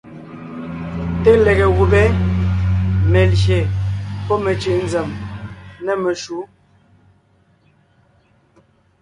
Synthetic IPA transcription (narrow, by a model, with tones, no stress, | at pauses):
te˦le˨ɣe˨ɣu˨bɛ˦ | mɛ˨lʃe˨pɔ˦me˨t͡ʃi˨ʔn̩d͡zɛ˨m | nɛ˨me˨ʃu˨˦